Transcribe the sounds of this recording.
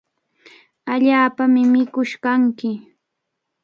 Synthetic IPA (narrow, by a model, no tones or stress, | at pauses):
aʎaːpamɪmɪkʊʃkaŋkɪ